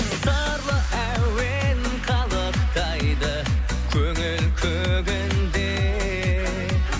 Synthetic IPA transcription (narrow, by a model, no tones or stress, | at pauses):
sɑ | ɾlˠəæwen | qʰɑlˠəqt̪ɑjd̪ə | kʲʰɵŋɪlkʲʰɵɡʲɪnd̪e